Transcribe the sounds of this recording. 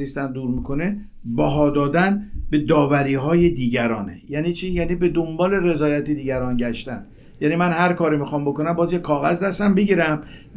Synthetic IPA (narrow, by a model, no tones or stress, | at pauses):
ist̪ænd̪uːɾmikʰo̞ne | bæɦɒːd̪ɒːd̪ænbe̞d̪ɒːvæɾiːɦɒːjed̪iːɟæɾɒːnḛjæːniːt͡ʃʰiːjæːniːbe̞d̪ombɒːle̞re̞zɒːjæt̪ʰid̪iːɡæɾɒːnɟæʃt̪æn | jæːnimænhæɾkʰɒːɾimixɒmbo̞konæmbɒːd̪jekʰɒːɣæzd̪æst̪æmbeɡiɾæm